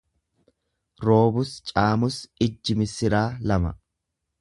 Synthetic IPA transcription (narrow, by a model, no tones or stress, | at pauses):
ɾo̞ːbʊst͡ʃʼaːmʊsɪd͡ʒːɪmɪsɪɾaːlɐmɐ̰